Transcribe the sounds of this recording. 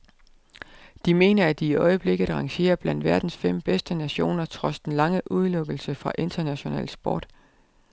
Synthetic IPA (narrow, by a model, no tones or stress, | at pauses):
d̥ime̝̰ːnɐæd̥iːɒ̽ɪəb̥le̝ɡ̥ðˠʁɑ̈ŋɕe̝̰ːɐb̥læn̰d̥ʋæɐd̥n̩sfem̰b̥esd̥ənæɕo̝̰ːnɐt͡sʰʁɒ̽sd̥enlɑ̈ŋəʔuð̞ˠlɔ̽ɡ̥əl̩səfʁɑ̈ʔe̝nd̥ɐnæɕo̝nɛ̰ːl̥sb̥ɒ̰ːd̥